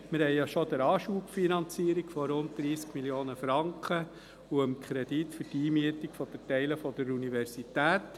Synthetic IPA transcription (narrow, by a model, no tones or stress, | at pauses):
mɪɾhɛjjɑʃɔd̪əɾɑːʃuːpfinɑnt͡siəɾikfɔɾʊnt̚d̪̥ɾiːskmilijoːnəfɾɑŋkχə | uəmkʰɾɛd̥itfyɾtiːmiətikfɔd̥̪ətɛɪləfɔd̥əɾunivɛɾsitæːt